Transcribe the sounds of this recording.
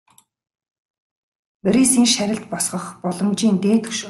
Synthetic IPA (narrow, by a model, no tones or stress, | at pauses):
pɾisiːnʃæɾʲɪ̆ɬt̪̚pɔsχɞ̆χpɔɮɞ̆mt͡ɕiːnt̪eːt̪ʰɵ̥ʃ